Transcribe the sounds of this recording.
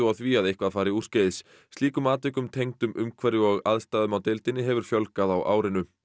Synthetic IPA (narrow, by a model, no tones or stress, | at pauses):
awθviaðehkvaðfaːɾɪur̥ceðɪsː | t̪liːkʏmaːt̪ɪkʏmt̪ʰejŋt̪ʏmʔʏmkʰvɛɾɪɔɣaðst̪aːðʏmawt̪ɪlt̪ɪnɪɦɛvʏɾ̥fjœlkaðawʔa̰ːwɾɪnʏ